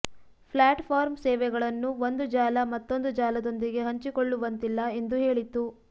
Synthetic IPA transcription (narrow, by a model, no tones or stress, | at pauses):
pʰlaːʈpʰaːɾmsɛːʋɛɡɐɭɐnːuʋond̪ud͡ʒaːlɐmɐt̪ːo̞nd̪ud͡ʒaːlɐd̪o̞nd̪iɡe̞ɦɐɲt͡ʃikoɭːuʋɐnt̪ilːɐe̞nd̪uɦe̞ːɭit̪ːu